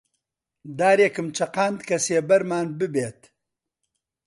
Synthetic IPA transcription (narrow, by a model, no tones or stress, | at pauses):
d̪aːɾjekɨmt͡ʃʰɐqaːnd̪kʰɐseːbɐɾmaːnbɨbeːt̪